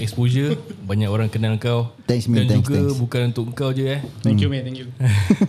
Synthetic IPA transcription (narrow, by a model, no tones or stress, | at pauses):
ɛkspozəbaɲãkoɾaŋkənaləŋkawt̪ɛŋsmidant̪uɡabukanunt̪ʊkŋ̩kawd͡ʒəaɛ̃ŋkjumɛ̃t̪ɛŋkjua